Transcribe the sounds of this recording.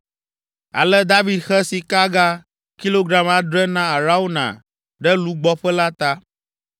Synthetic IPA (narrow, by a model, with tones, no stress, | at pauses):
a̰˨lɛ˦d̪a˦vi˨d̪xɛ˦si˨ka˦ɡa˦ | ki˦lo˦ɡɾa˦ma˨ɖɾɛ˦nã˦a˨ɾa˦wo˦nã̰˨ | ɖɛ˦lu˦ɡ͡bɔ˦ɸɛ˦la˦t̪a˦